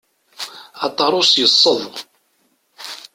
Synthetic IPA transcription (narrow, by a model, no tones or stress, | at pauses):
ɑt̪ˤːɑɾˤosjəsˤːəðˤ